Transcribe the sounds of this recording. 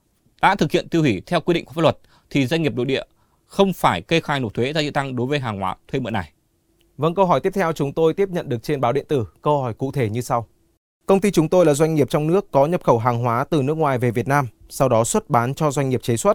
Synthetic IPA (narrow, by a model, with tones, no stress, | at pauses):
ɗa̰ː˧˥t̪ʰɨ˨˩k̚hḭ˧˨ənt̪i˧whi˧˩t̪ʰɛ˧wkwi˧ḭ˧ŋkfaː˦˥lwə˨˩t̚ | t̪ʰi˨˩zwa˧jŋ̟ŋi˨˩əpɗo̰˧˨ɗḭ˧˨ə | xə˧wŋ͡mfaː˧˩jke˧xaː˧˩jno˨˩t̚t̪ʰwe˨˦zaː˧zḭ˧˨t̪a˧ŋɗo˨˦jvəː˨˦jɦaː˨˩ŋhwa̰ː˨˦t̪ʰwe˧mɨ̰˧˨na˨˩j | və̰˧˥nkə˧wɦɔ˧˩jt̪i˦˥əp̚t̪ʰɛ˧wt͡ɕʊ˨˦ŋ͡mt̪o˧jt̪i˦˥əp̚ɲə̰˧˨nɗɨ˨˩ək̚t͡ɕe˧nɓaː˨˦wɗḭ˧˨ənt̪ɨ˧˩kə˧whɔ˧˩jkṵ˧˨t̪ʰe˧˩ɲɨ˧sa˧w | kə˧wŋ͡mt̪i˧t͡ɕʊ˨˦ŋ͡mt̪o˧jlaː˨˩zwa˧jŋ̟ŋi˨˩əp̚t͡ɕɔ˧wŋ͡mnɨ˦˥əkːɔ˨˦ɲə˨˩p̚xə˧˩wɦaː˨˩ŋɦwaː˨˦t̪ɨ˨˩nɨ˦˥ək̚ŋwaː˨˩jve˨˩vi˨˩ət̚naː˧m | sa˧wɗɔ˨˦swə˦˥t̚ɓaː˨˦nt͡ɕɔ˧zwa˧jŋŋi˨˩əp̚t͡ɕe˨˦swə˦˥t̚